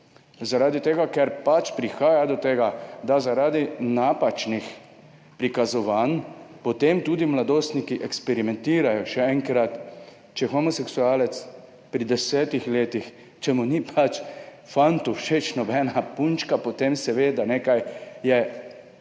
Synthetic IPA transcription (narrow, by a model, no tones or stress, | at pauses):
zaɾaːd̪it̪eːɡakɛɾpat͡ʃpɾixaːjad̪ɔt̪eːɡad̪azaɾaːd̪inapat͡ʃnix | pɾikazɔʋaːnpɔt̪emt̪ud̪imlad̪oːst̪nikiʔɛkspɛɾimɛnt̪iːɾajɔʃɛɛŋkɾat̪ | t͡ʃɛxɔmɔsɛksuaːlɛt̪s | pɾid̪ɛsɛːt̪ixleːt̪ix | t͡ʃɛmunipʰat͡ʃ | fant̪uʃet͡ʃnɔbɛːnapunt͡ʃkapɔt̪emsɛʋeːd̪aneːkajjɛ